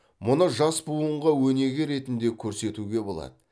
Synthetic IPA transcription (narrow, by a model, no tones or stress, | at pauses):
mʊnəʒɑsbuəɴʁɑwɵne̞ɡʲɪɾe̞t̪ɪnd̪e̞kʲʰɵɾse̞t̪uɡʲe̞bo̞lˠɑ̰d̪̥ə